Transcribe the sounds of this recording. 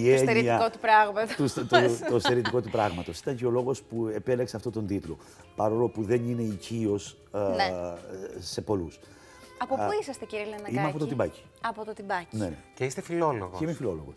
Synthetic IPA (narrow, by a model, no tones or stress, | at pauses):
iesɲeɾiɐkot̪upɾɐɣmɐt̪oust̪ost̪eɾit̪iko̞t̪upɾɐɣmɐt̪o̞si̥t̪ɐɲceo̞lo̞ɣo̞spue̞pe̞lekseɐft̪o̞t̪ond̪it̪lo̞̰ | pɐɾo̞lo̞puðe̞nine̞icio̞s | neː | e̞po̞lus | ɐpopuisɐst̪eciɾielenɐimeɐpo̞t̪ot̪ibɐci̥ | ɐpot̪ot̪ibɐcineneceist̪efiloloɣo̰emifilo̞lo̞̰ɣos